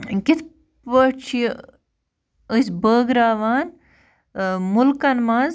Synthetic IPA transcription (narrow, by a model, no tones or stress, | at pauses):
kit̪ʰ | əʈt͡ʃʰi | əsbəːɡɾaːʋaːn | mʊlkɐnmãːnz